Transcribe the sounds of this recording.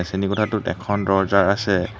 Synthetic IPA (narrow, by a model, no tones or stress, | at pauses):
senikɔtʰatʊtɛ̰kʰɔndɔɹzaɹasɛ